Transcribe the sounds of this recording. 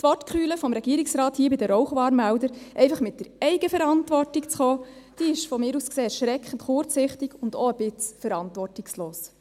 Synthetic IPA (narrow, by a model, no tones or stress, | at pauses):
tʋɔtkχyːləfɔmɾɛɡ̥iːɾiksɾɑːthiːəbɪdəɾɔʊχʋɑːɾmældəɾʔɛɪfɑχmɪt̚d̥əɾɛɪɡ̥əfɛɾɑntʋɔrtikt͡sχɔːd̥iːɪʃfɔmɪːɾuːskseːɛɾʃɾɛkχən̩tχʊɾt͡sɪχtiɡʊndɔəb̥ɪt͡sfəɾɑntʋɔrtiksloːs